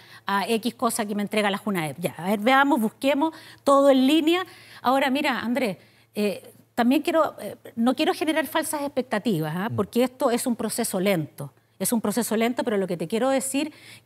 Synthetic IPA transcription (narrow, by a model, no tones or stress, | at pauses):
aekihko̞sakement̪ɾe̞ɣalaxunaepʝaaeɾβeamo̞zβuhkemo̞st̪o̞ðoenlinjaa̰o̞ɾamiɾaa̰nd̪ɾes | e | t̪ambje̞ŋkjeɾo̞eno̞kje̞ɾo̞xe̞neɾaɾfalsasehpe̞k̚t̪at̪iβasapo̞ɾkeeht̪o̞e̞sumpɾo̞se̞sole̞nt̪o | esumpɾo̞se̞so̞le̞nt̪o̞peɾoloket̪e̞kʲje̞ɾoðe̞siɾ